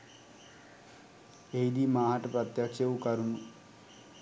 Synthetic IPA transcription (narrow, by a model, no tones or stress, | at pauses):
ejd̪imaːɦɐʈːɐpɾɐt̪jaːkʂjɐʋukɐɾumu